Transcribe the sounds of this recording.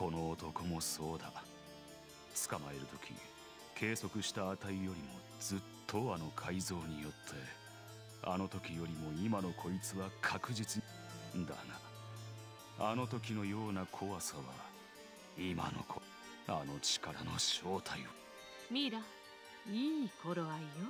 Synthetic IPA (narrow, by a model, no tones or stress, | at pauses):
ko̞no̞ːt̪o̞ko̞mo̞so̞ːd̪a̰ | t͡sɨ̥kamae̞ɾɯ̟t̪o̞̥kʲḭ | kʰe̞ːso̞kɯ̟ɕi̥t̪aːt̪aijo̞ɾʲimo̞ | d͡zɨt̪ʰːo̞ano̞kʰaizo̞ːɲ̟ijo̞t̪ʰːe̞ | a̰no̞t̪o̞kʲijo̞ɾʲimo̞imano̞kʰo̞it͡sɨβakʰakɯ̟ʑit͡sɨ | nd̪a̰na | ano̞t̪o̞kʲino̞jo̞ːnakʰo̞βasaβa̰ | ima̰no̞̰kʰo | ano̞t͡ɕi̥kaɾa̰no̞ɕo̞ːt̪ʰaio | mʲiɾa | iːkoɾoaijo